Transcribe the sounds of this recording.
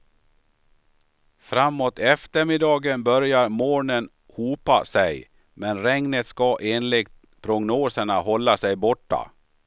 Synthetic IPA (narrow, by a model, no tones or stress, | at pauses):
fɾamːoːt̪ɛft̪əɾmɪd̪ɑːɡənbœɾjaɾmoːɳən | huːpa̰sɛj | mɛnɾɛŋnət̪skaʔeːnlɪɡ̚t̪ | pʰɾʊɡnoːsəɳahɔlːasɛjbɔʈːa̰